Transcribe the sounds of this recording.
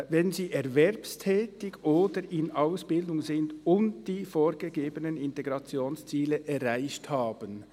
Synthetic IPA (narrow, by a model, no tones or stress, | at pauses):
vɛnziːʔɛʁvɛɾpstʰɛːtɪɡʔoːdəɾʔɪnaʊsb̥ɪldʊŋzɪndʊntd̥iːfoːɾɡəɡeːbənənɪnteɡʁɑt͡sjoːnst͡siːləʔɛʁaɪçthaːbən